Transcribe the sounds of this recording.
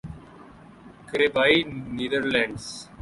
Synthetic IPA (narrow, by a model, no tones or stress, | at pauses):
kɾebaːiniːd̪əɾlɛ̃ːɳɖs